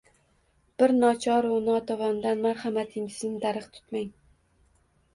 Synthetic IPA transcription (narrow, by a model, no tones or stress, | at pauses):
b̥ɪɾnɒt͡ʃʰɒɾʊnɑt̪ʰɒvɒnd̪anmaɾhamat̪ʰɪŋɪznɪd̪aɾɨqt̪ʰʊ̥t̪maŋ